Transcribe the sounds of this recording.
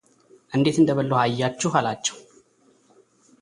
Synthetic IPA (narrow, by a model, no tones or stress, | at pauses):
ʔɨnd̪e̞t̪ɨnd̪əbəlːohajːat͡ʃːuɦalat͡ʃːɛ̥w